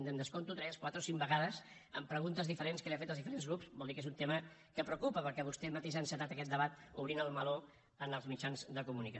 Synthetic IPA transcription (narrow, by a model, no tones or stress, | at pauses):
nd̪ənd̪əskont̪ut̪ɾɛskwat̪ɾəosiŋbəɣaðəz | ə̰mpɾəɣunt̪əzðifəɾenskəliafet̪əlzðifəɾenzɣɾupsbɔlˠd̪ikezunt̪emə | kəpɾəukupəpəɾkɛβust̪ɛmət̪eʃansət̪at̪əkɛt̪̚d̪əβat̪uβɾinəlˠməlo | ənəlˠzmit͡ʃanzd̪əkumunikə